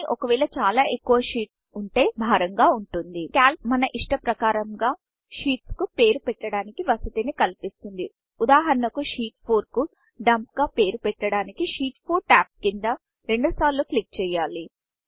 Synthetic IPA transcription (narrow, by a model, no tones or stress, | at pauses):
ʔɔkɐʋɛːɭlɐt͡ʃaːlaːʔekːuʋɐʂiːʈsuɳʈe̞ːbʱaːɾɐŋɡaːuɳʈund̪ikaːlmɐnɐʔiʂʈɐpɾɐkaːɾɐmɡaː | ʃiːʈskupe̞ːɾupɛʈːɐɽaːnikiʋɐsɐt̪inikɐlpist̪und̪i | ud̪aːɦɐɾɐnɐkuʃiːʈ̚pʰoːɾku | ɖɐmpɡaːpe̞ːɾupɛʈːɐɽaːnikiʃiːʈpʰuːɾʈaːp̚kind̪ɐ | ɾe̞ɳɖusaːɾluːklik̚t͡ʃɛːjːaːli